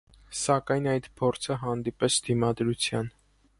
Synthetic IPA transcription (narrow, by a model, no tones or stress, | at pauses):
sɑkɑjnɑjd̪pʰɔɾt͡sʰəɦɑnd̪ipɛsʰd̪̥imɑd̪ɾut͡sʰjɑn